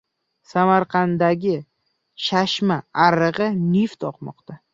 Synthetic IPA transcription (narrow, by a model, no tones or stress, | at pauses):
samaɾqʰɑnd̪aɡʲɪ | ʃaʃmaaɾɨʁɨnɪft̪ʰɒqmɒ̰qt̪ʰa